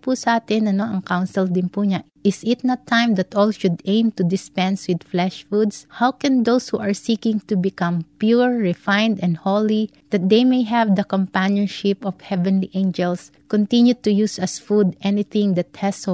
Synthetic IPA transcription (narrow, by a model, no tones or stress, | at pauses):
pusɐʔaːt̪ɪnɐnoʔɐŋkawnsɛld̪ɪnpuɲa | ɪsɪt̪̚nɐt̪ʰːãjmd̪ɐt̪ʔɔlʃʊd̪ẽj̃mt̪ʊd̪ɪspɛ̃nswɪd̪flɛʃfud̪shawkɛ̃nd̪owshuʔɐɹsikɪ̃ŋt̪ubɪkɐ̃mpjuɹːɛfãjnd̪ɛ̃nd̪holi | d̪̥ɐt̪̚d̪ejmejɦɛvd̪ɐkɔ̃mpanjɔnʃɪpɔfhɛvɛ̃nliʔẽjnd͡ʒɛls | kɔnt̪ɪ̃njut̪ʊjusɐsfud̪ʔɛnɪθɪ̃ŋd̪ɐt̪hɛs